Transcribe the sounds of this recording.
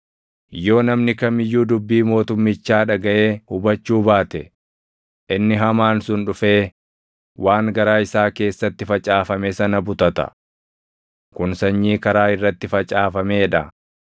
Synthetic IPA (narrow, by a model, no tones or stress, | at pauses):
jo̞ːnɐmnɪkɐmɪjːuːd̪ʊbːiːmo̞ːt̪ʊmːɪt͡ʃːaːᶑɐɡɐʔeːhʊbɐt͡ʃːuːbaːt̪ɛ | ʔɪnːɪɦɐmaːnsʊnᶑʊfeː | waːŋɡɐɾaːɪsaːke̞ːsːɐt̪ːɪfɐt͡ʃʼaːfɐmɛsɐnɐbʊt̪ɐt̪ɐ̰ | kʊnsɐɲːiːkɐɾaːɪrːɐt̪ːɪfɐt͡ʃʼaːfɐmeːᶑɐ